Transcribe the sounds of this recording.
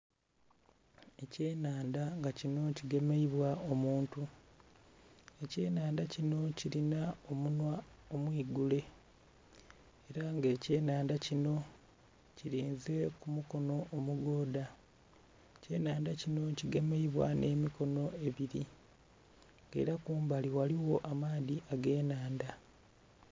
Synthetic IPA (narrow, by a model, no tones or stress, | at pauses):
e̞ce̞ːnaːndaŋɡacino̞ciɡe̞me̞iβwao̞muːntu | e̞ce̞ːnaːndacino̞ciɾinao̞munwao̞mwiːɡule̞ | eɾaŋɡe̞ːce̞ːnaːndacino̞ | ciɾiːnze̞kumuko̞no̞ʔːmuɡoːda | ce̞ːnaːndacino̞ciɡemeiβwa̰ne̞ːmiko̞no̞e̞βiɾi | ŋɡḛiɾakuːmbaliwaliwo̞ʔamaːðiʔaɡe̞ːnaːnda